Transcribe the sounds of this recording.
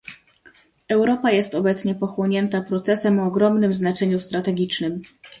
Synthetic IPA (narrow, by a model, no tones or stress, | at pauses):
ɛwɾɔpajɛst̪ɔbɛt̪sɲɛpɔxwɔɲɛnt̪apɾɔt̪sɛsɛmɔːɡɾɔmnɘmznat͡ʂɛɲust̪ɾat̪ɛɡʲit͡ʂnɘm